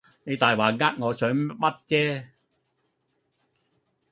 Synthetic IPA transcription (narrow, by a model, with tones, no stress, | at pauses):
ne˨˧t̪aː˨jwaː˨˩ŋaː˧˥k̚ŋɔː˨˧sœː˨˥ŋmɐ˦˥t̚t͡ɕɛː˥